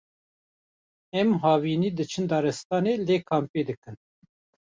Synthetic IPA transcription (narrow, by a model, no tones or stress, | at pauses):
ɛmɦɑːviːniːd̪ɨt͡ʃʰɨnd̪ɑːɾɛst̪ɑːneːleːkʰɑːmpeːd̪ɨkɨn